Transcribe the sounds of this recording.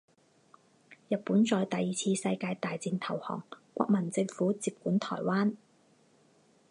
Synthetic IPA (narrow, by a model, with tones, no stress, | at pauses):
jɐ˨t̚puː˨˥nt͡ʃɔː˨˧jt̪ɐ˨jiː˨˩t͡sʰiː˧sɐ˧jkaː˧jt̪aː˨jt͡siː˧nt̪ʰɐ˨˩whɔ̰ː˨˩ŋkʷa̰ː˧k̚mɐ˨˩nt͡sɪ˧ŋfuː˨˥t͡siː˨p̚kuː˨˥nt̪ʰɔ̰ː˨˩jwaː˥n